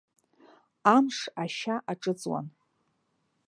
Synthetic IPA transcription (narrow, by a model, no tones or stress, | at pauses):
amʂaʃaʔaʈ͡ʂʼɨt͡sʼwa̰n